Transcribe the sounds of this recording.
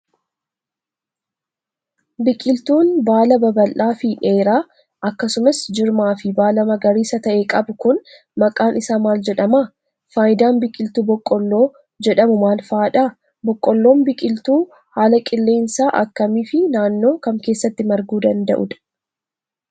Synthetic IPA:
bɪkʼɪlt̪uːnbaːlɐbɐbɐlʔaːfɪᶑe̞ːɾaː | ʔɐkːɐsʊmɐsd͡ʒɪɾmaːfɪbaːlɐmɐɡɐɾiːsɐt̪ɐʔekʼɐbʊkʊn | mɐkʼaːnʔɪsaːmaːld͡ʒɛᶑɐmaː | faːjɪd̪aːnbɪkʼɪlt̪uːbɔkʼːɔlːo̞ː | d͡ʒɛᶑɐmʊmaːlfaːᶑaː | bɔkʼːɔlːo̞ːmbɪkʼɪlt̪uː | haːlɐkʼɪlːe̞ːnsaːʔɐkːɐmiːfɪnaːnːo̞ːkɐmke̞ːsːɐt̪ːɪmɐɾɡuːd̪ɐnd̪ɐ̰ʔʊd̪ɐ̥

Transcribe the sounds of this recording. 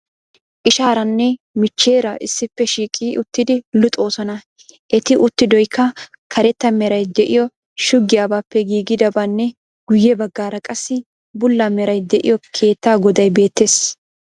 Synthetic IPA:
ʔɪʃaːɾɐnːɛ | mɪt͡ʃːeːɾɐʔɪsːɪpːɛʃiːkʼiːʔʊt̪ːɪd̪ɪlʊt̪ʼo̞ːsɔnɐ | ʔɛt̪ɪʔʊt̪ːɪd̪ɔjkʰːɐ | kʰɐɾɛt̪ːɐmɛɾɐjd̪ɛʔɪjɔ | ʃʊɡːɪjaːbaːpːɛɡiːɡɪd̪ɐbaːnːɛ | ɡ̥ʊjːɛbɐɡːaːɾɐkʼɐsːɪ | bʊlːɐmɛɾɐjd̪ɛʔɪ̰jɔkʰe̞ːt̪ːaːɡɔd̪ɐjbe̞ːt̪ːe̞ːs

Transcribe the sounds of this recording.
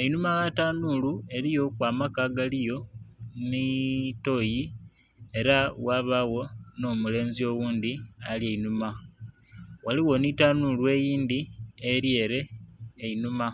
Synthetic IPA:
einumaɣataːnulue̞ɾijo̞kwaːmakaɡalijo̞nito̞ji | e̞ɾawaβaɣo̞no̞mule̞ːnzio̞ɣuːnd̪ialjeinuma | waliɣo̞nitanulwe̞jiːndieɾje̞ːɾe̞ːinuma

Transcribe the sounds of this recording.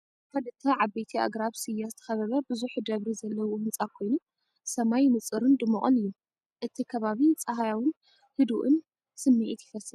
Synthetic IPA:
kʰɐd̪ɨt̪ʰːɐʕabejt̪ʰia̰ɡɾaβsɨjːazɨt̪ʰɐ̥xɐβɐβɐbɨzuħd̪ɐβɾizɐlːɐwumɨnt͡sʼakʰo̞jnu | sɐmajmɨt͡sʼɨɾɨnd̪ɨmːɐχʼɨ̰nɨjːum | ʔɨt̪ʰikʰɐβaβit͡sʼɐɦajawɨn | hɨd̪uʔɨn | sɨmːiʔit̪jɪfɐsɨ

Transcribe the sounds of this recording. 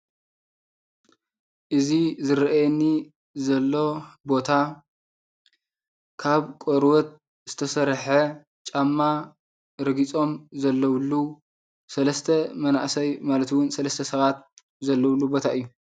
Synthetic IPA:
ʔɨzizɨɾʔajɛnːi | zɐlːo̞bo̞t̪ʰa | kʰaβkʼoɾwɔt̪̚ | z̥ɨt̪ʰɐsɐɾħɐ | t͡ʃʼamːa | ɾɨɡit͡sʼo̞mzɐlːɐwlːu | sɐlɐst̪ʰɐmɐna̰ʔsɐjmalɐt̪wʊnsɐlɐst̪ʰɐsɐβat̪̚ | zɐlːɐwlːubo̞t̪ʰaʔɨjːu

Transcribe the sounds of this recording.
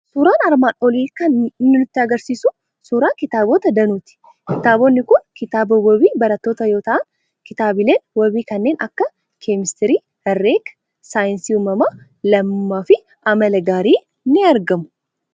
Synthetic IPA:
suːɾaːnɐɾmaːnɔliːkɐnnːɪnɪt̪ːɪɐɡɐɾsiːsʊ | suːɾaːkɪt̪aːboːt̪ɐd̪ɐnuːt̪ɪ̥ | kɪt̪aːbonːɪkʊnkɪt̪aːbowɔbiːbɐɾɐt̪ːo̞ːt̪ɐjo̞ːt̪ɐʔɐn | kɪt̪aːbɪleːnwɔbiːkɐnːe̞ːnʔɐkːɐ | kʰemɪst̪ɪɾiː | ɛrːeːk | saːjɪnsiːumɐmaː | lɐmːaːfɪ | ʔɐmɐlɐɡaːɾiː | nːɪɐɾɡɐmʊ̥

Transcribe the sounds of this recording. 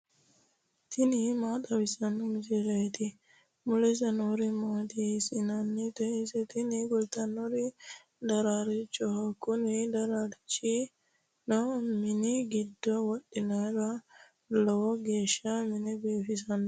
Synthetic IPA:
t̪ɪnɪmaːt̪ɐbɪsɐnːɔmɪsɪɾɐjɛt̪ɪ | mʊlɛs̬ɐnɔɾɪmaːt̪ɪsɪnɐnːɛt̪ɛɪsɛt̪ɪnɪɡɔlt̪ɐnɔɾɪ | d̪ɐɾaːɾɪt͡ʃʼːɔhɐkʼːʊnɪd̪ɐɾaɾɪt͡ʃʼːɪ | nɔmɪnɪɡɪd̪ːɔwɔɗɪnɐɾɐ | lɔwɔɡe̞ːʃːɐmɪnɛbeːfɪs̬ɐnɔ

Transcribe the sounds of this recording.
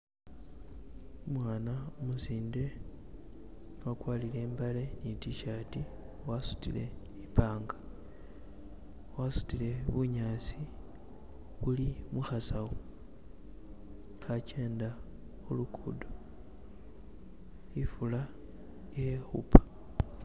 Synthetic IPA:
omwaːnaomuziːnde̞ | wakwaːlile̞ːmbale̞nitiʃaːti | wasu̥tḭle̞̰ | ipaːŋɡa | wasu̥tile̞βuɲaːt͡si | βulimuxasaɣo | xace̞ːnda | xulukʰudo | ifula | jexṵpḁ

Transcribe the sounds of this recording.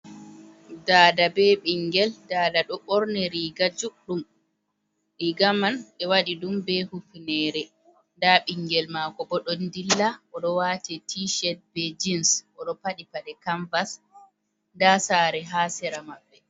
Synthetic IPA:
daːdabɛɓiŋɡɛldaːdaɗɔɓɔɾnɛɾiːɡad͡ʒuɗum | ɾiɡamanɓɛwaɗiɗumbɛhukunɛːɾɛ | ndaɓiŋɡɛlmaːkɔbɔɗɔndilːaʔɔɗɔwatɛtʰiʃɛt̚bɛd͡ʒinsʔɔɗɔpaɗipaɗɛkaɱvas | ndasaːɾɛɦaːsɛɾamaɓːɛ

